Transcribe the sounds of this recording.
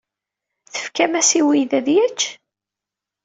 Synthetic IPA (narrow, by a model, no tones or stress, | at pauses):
θə̥fkæmæsiwiðæðjæt͡ʃː